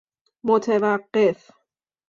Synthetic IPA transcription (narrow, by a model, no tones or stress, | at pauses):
mot̪ʰevæqːef